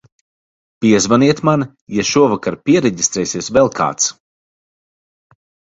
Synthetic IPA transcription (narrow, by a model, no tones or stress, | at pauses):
pʲiɛzvaniɛt̪man | jaʃuɔvakaɾpʲiɛɾɛɟist̪ɾɛːsiɛsvɛlˠkʰa̰ːt̪s